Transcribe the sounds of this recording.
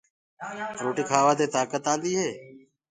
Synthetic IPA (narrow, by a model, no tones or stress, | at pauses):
ɾoːʈiːkʰaːʋaːt̪eːt̪aːkət̪ãːnd̪iːɦeː